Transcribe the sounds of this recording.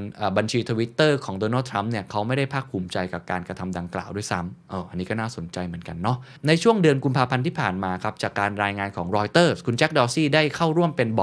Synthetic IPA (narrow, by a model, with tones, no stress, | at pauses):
nʔaː˨˩ba˧nt͡ɕʰiː˧t̪ʰəː˧wi˦˥t̪ːɤː˥˩kʰɔː˩˦ŋdoː˧naː˥˩t̪ʰɾa˦˥mni˥˩ɐkʰa˦˥wma˥˩jda˥˩jpʰaː˥˩k̚pʰuː˩˧˦mt͡ɕa˧jka˨˩p̚ka̰ː˧nkɾa˧t̪ʰa˧mda˧ŋkla̰ː˨˩wdu˥˩jsa˦˥mʔɤː˧˩ʔa˧nːiː˦˥kɔː˥˩naː˥˩so˩˦nt͡ɕa˧jmɯ˩˦ənka˧nːɔ˦˥ | na˧jt͡ɕʰu˥˩əŋdɯ˧ənku˧mpʰaː˧pʰa˧nt̪ʰiː˥˩pʰaː˨˩nmaː˧kʰa˦˥p̚t͡ɕaː˨˩kːaː˧nɾaː˧jŋaː˧nkʰɔː˩˦ŋɾɔː˧jt̪ɤː˥˩skʰu˧nt͡ɕɛ˦˥k̚dɔː˧siː˥˩daː˥˩jkʰa˥˩wɾu˥˩əmpe˧nbɔ˨˩